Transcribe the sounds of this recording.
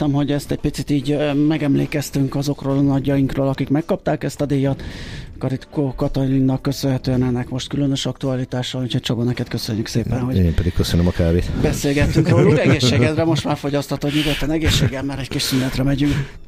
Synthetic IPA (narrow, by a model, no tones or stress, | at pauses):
t̪ɛmɦo̞ɟɛst̪ɛc̚pit̪sit̪iːɟmɛɡɛmlḛːkɛst̪yŋkɒzo̞kroːlnɒɟːɒjiŋkroːlɒkikmɛkːɒp̚t̪aːkɛst̪ɒd̪eːjɒt̪kɒɾit̪kokɒt̪oninːɒkːø̞sønɦɛt̪øːɛnɛnːɛkmo̞ʃt̪̚kylønø̞ʃɒkt̪uɒlit̪aːʃɒluːcho̞c̚t͡ʃobonɛkɛt̪kø̞søɲːykseːpɛnɦo̞ɟeːmpɛd̪ik̚køsønømɒkaːbeːt̪bɛseːlɡɛt̪ːyŋkroːlɛɡeːʃʃːeːɡɛd̪rɛmo̞ʃt̪maːrfo̞ɟɒst̪ɒt̪okɲuɡot̪lɒnɛɡeːʃːeːɡɛlmaːɾɛckit͡ʃsynlɛt̪rɛmɛɟyŋk